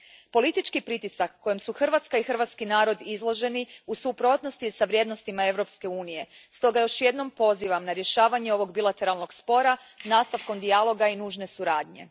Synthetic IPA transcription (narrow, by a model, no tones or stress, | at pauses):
po̞lit̪it͡ʃkipɾit̪isakːo̞jemsuxr̩ʋat̪skaixr̩ʋat̪skinaːɾo̞d̪izlˠo̞ʒe̞niusupɾo̞t̪no̞st̪isaʋɾje̞d̪no̞st̪imae̞ʋɾo̞pske̞uːnije̞st̪o̞ɡajo̞ʃje̞d̪no̞mpo̞ziʋamnaɾje̞ʃaːʋaɲe̞o̞ʋo̞ɡbilˠat̪e̞ɾalˠno̞ɡspo̞ɾa | naːst̪aʋko̞md̪ialˠo̞ɡainuːʒne̞suɾaːd̪ɲe̞̰